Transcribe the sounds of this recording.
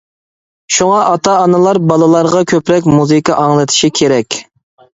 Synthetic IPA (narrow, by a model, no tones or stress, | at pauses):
ʃuŋɑʔɑt̪ʰɑːnɨlˠɑɾbɑlˠɨlˠɑɾʁɑkʲʰøpɾɛk̬ʲmuzɨkɑʔɑŋlˠɨt̪ʰɪ̥ʃikʲʰeɾɛkʲ